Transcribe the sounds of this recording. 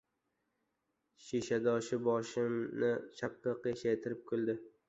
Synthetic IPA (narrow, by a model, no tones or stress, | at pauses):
ʃiʃad̪ɒʃɪbɒʃɪmnɪt͡ʃʰapʰːɪqjʃajt̪ʰɪɾɪp̚kʰolˠd̪ɪ